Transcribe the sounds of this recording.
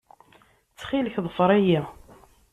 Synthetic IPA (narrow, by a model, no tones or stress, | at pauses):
t͡sːχiləçðˤəfəɾˤæji